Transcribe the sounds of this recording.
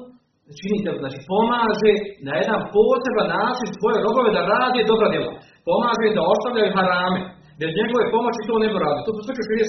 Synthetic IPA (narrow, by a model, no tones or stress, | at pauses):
t͡ʃiniːseoznaːt͡ʃiːpo̞maːʒe̞naje̞d̪anpoːse̞banːaːt͡ʃinsʋo̞je̞ɾo̞bo̞ʋe̞d̪aɾaːd̪e̞d̪o̞bɾad̪jelˠa̰ | po̞maːʒeimd̪ao̞st̪aʋʎʲajuɦaɾaːme | be̞zɲe̞ɡo̞ʋe̞po̞mo̞t͡ɕit̪oːnebuɾaːd̪ilit̪ot̪st̪ot͡ʃeʃeɾie